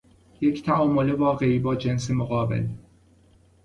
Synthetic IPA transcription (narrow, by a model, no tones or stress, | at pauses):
jecʰt̪ʰæɒːmo̞levɒːɣe̞iːbɒːd͡ʒe̞nsemoɣɒːbḛl